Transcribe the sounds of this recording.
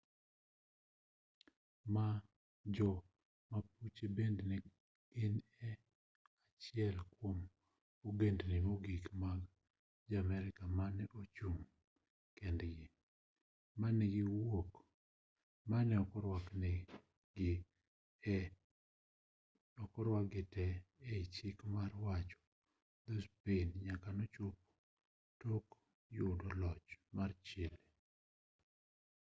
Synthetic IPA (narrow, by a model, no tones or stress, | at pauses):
ma | d͡ʒɔ | maput͡ʃebendnɛ | ɪnɛ | at͡ʃɪɛlkwom | oɡendnɪmoɡikmaɡ | d͡ʒamɛɾɪkamanɛʔot͡ʃum | kendɡɪ | manɛɡɪwok | manɛɔkɔɾwaknɛ | ɡɪ | ɔkɔɾwaɡɪtɛeit͡ʃɪkmarwat͡ʃɔ̥ | d̪ospenɲakanɔt͡ʃop̚ | tok | jʊdɔlɔt͡ʃmart͡ʃɪle